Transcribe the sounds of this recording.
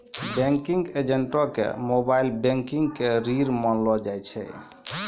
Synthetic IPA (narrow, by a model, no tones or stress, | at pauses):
bɛ̃ŋkiŋɡed͡ʒeɳʈɔkḛmobailbẽŋkiŋɡkeɾiɾmənlɔd͡ʒajt͡ʃʰɛ̰